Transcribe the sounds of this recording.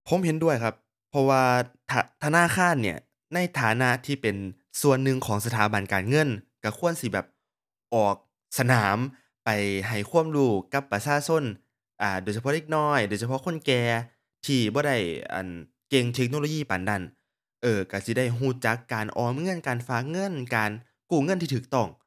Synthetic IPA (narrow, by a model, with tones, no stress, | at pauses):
pʰo˨˦mɦe˨˦ndu˥˩əjkʰa˦˧p̚ʰːɔ˧waː˧t̪ʰa˧t̪ʰa˧naː˧˥˨kʰaː˧˥˨nːi˧˩ɐ | na˧˥˩jt̪ʰaː˨˦na˧˥ʔt̪ʰiː˧˩pe˨˩n | su˨˧˩ənːɯ˧ŋkʰɔː˨˦ŋsa˧t̪ʰaː˨˦ba˨˩nkaː˨˩nŋɤ˧˥˨nka˧˩kʰu˧˥˩ənsi˧˦bɛː˨˩p̚ | ʔɔː˨˩k̚ | sa˧naː˨˦m | pa˨˩jɦa˨˩jkʰu˧˥˩əmduː˧˩ka˧˥pːa˧saː˧˨so˧˥˨n | ʔaː˨˧˩doː˨˩jsʰa˧pʰɔ˧˥de˧˥k̚nɔː˧˥˩jdoː˨˩jsʰa˧pʰʔkʰo˧˥˨nkɛː˧ | t̪ʰiː˧˩bɔː˧˦ɾa˧˥˩jʔa̰˨˩n | ke˧ŋt̪ʰe˦˥k̚no˧˨o˧˦jiː˧˩˨paː˨nda˧˩n | ʔɤː˧ka˧˩si˧˦da˧˥˩jɦuː˧˩t͡ɕa˧˦kːaː˨nʔɔː˨˧mŋɤ˧˥˨nkaː˨nfaː˧˩k̚ŋɤ˧˥˨nkaː˨n | kuː˧˩ŋɤ˧˥˨nt̪ʰiː˧t̪ʰɯː˨˩k̚t̪ɔ˧˥˩ŋ